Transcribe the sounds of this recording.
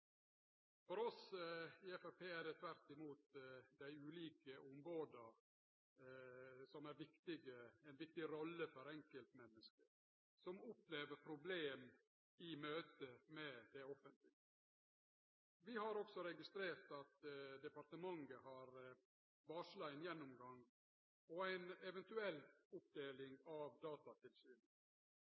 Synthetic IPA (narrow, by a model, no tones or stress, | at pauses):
fɔɾɔsɪɛfæpʰeːæɖ̪ɛt̪ʰʋæɾt̪ɪmuːt̪d̪æɪʉːliːkəʔʊmɾoːd̪əɾ | sɔmæɾʋɪkt̪ɪɡəɛnʋɪk̚t̪ɪɾɔlːəfɔɾɛŋkəlt̪mɛnːəskəɾ | sɔmʊpːleːʋəɾpʰɾʊbleːm | ɪmøːt̪əmɛd̪̥ɛɔfənt̪lɪɡə | ʋɪhɑɾɔksɔɾɛɡɪst̪ɾeːɾt̪ɑt̪d̪ɛpɑɾʈ̪əmɑŋəhɑɾ | ʋɑːʂlɑɪnjɛnːʊmɡɑŋː | ɔæɪnɛʋɛnt̪ʉɛlːɔp̚d̪eːlɪŋɑʋd̪ɑːt̪ɑt̪ʰɪlsyːnə